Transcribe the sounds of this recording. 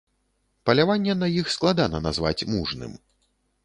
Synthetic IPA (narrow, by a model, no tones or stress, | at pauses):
pɐlʲavanʲːɛnɐjixsklˠad̪anɐna̰zva̰t͡sʲmuʐnɨ̰m